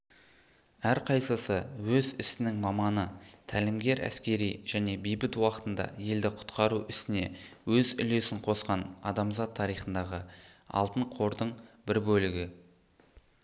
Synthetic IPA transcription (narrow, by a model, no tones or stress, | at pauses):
æɾqʰɑjsəsəwɵzɪsɪnɪŋmɑmɑnət̪ʰælɪmɡʲe̞ɾʔæ̰skʲe̞ɾijʒ̥æne̞bejbɪt̪wɑqə̥t̪ənd̪ɑ̰je̞ld̪ɪqʰʊ̥t̪qɑɾuɪst̪ɪne̞wɵzʏle̞sɪŋqʰo̞sqɑnɑ̰d̪ɑmzɑt̪ʰːɑɾijχənd̪ɑʁəɑ̰lˠt̪əɴqʰo̞ɾd̪əɴbɪɾbɵlɪɡʲɪ